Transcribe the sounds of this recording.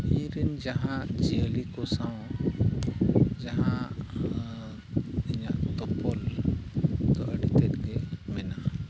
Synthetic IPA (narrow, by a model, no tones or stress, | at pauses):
iɾɛnd͡ʒaɦãd͡ʒiəlikɔsãw | d͡ʒaɦã | ɛɲaʔt̪ɔpɔl | d̪ɔʔəɖit̪ɛt̪̚ɡɛmɛna